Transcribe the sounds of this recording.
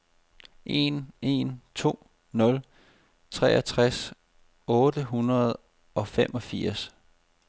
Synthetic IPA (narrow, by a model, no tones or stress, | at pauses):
ʔe̝̰ne̝nt͡sʰo̝̰ː | nɔ̽l | t͡sʰʁɛːɐt͡sʰʁas | ɔ̽ːd̥əɦunɐð̞ˠ | ɒ̽fem̰ʔɒ̽fiɐ̰s